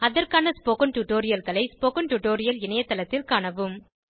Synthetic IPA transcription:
ɐðɐrkaːnɐspoːkɐnʈuːʈoːɾɪjɐlɣɐɭɐɪspoːkɐnʈuʈoːɾɪjɐlɪɳɐjɐt̪ːɐlɐt̪ːɪlkaːɳɐʋɯm

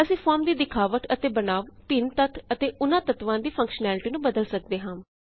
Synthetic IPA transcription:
əsĩːfʰɔːɾmd̪iːd̪ɪkʰaːʋəʈət̪eːbənaːʋpɪnt̪ət̪ʰət̪eːʔʊnãːt̪ət̪ʋãːd̪iːpʰə̃ŋkʃnɛːlɪʈiːnũːbəd̪əlsək̚d̪eːɦãː

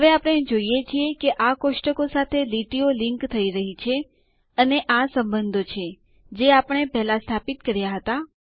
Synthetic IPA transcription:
ɦəʋeapəɽ̃ed͡ʒoijet͡ʃʰiekeʔakoʃʈəkosat̪ʰeliʈiolĩŋkt̪ʰəiɾəɦit͡ʃʰe | əneʔasəmbənd̪ʱot͡ʃʰe | d͡ʒeapəɳ̃epɛɦlast̪ʰapit̪̚kəɾjaɦət̪a

